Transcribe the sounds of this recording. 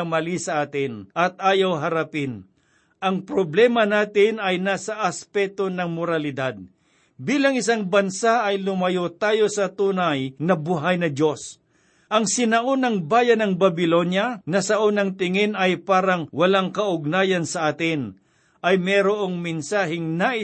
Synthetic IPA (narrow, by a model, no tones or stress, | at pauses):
mɐlisɐʔaːt̪ɪnʔɐt̪̚aːjɐwɦɐɾɐpɪn | ʔɐŋpɾoblɛːmɐnaːt̪ɪnɐjnaːsɐʔɐspɛt̪onɐŋmoɾɐlɪd̪ad̪̚ | biːlɐŋɪsaŋbɐnsaʔɐjlʊmɐjot̪aːjo̞sɐt̪uːnɐjnɐbʊɦajnɐdjo̞s | ʔɐŋsɪnɐʔonɐŋbaːjɐnɐŋbɐbɪlo̞njɐnɐsɐʔonɐŋt̪ɪŋɪnɐjpaːɾɐŋwɐlaŋkɐʔʊɡ̚naːjɐnsɐʔaːt̪ɪn | ʔɐjmɛːɾoʔoŋmɛnsaːɦɪŋnaʔɪ